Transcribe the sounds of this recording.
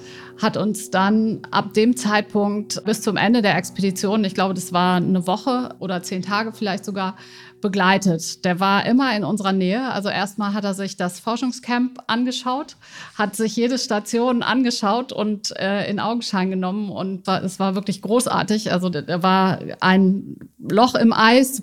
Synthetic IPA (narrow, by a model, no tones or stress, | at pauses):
hatʊnsd̥anʔa̰p̚d̥eːmt͡saɪt̚pʰʊŋktb̥ɪst͡sʊmʔɛ̰ndədeːɐʔɛkspedit͡sjoːnənɪçɡ̥laʊbədasv̥aːɐnəvɔχəʔoːɾɐt͡seːntʰaːɡəfɪlaɪçtz̥oɡaːɐ | b̥əɡlaɪtətd̥eːɐvaːɐʔɪmɐɪnʊnzəʁɐnɛːəʔa̰lzoʔḛːɐst̚maːlɦateːɐzɪçd̥asfɔɐʃʊŋskʰɛmpʔanɡəʃaʊt | hatz̥ɪçjeːɾəʃtat͡sjoːnʔa̰nɡəʃaʊtʊ̰ntʔɛːɪ̰nʔa̰ʊɡŋ̩ʃaɪnɡənɔmənʊ̰ntvaːɐdasv̥aːɐvɪɐklɪçɡ̥ʁoːsʔa̰ɐtɪçʔa̰lzodeːɐvaːɐʔa̰ɪnlɔχɪmʔaɪs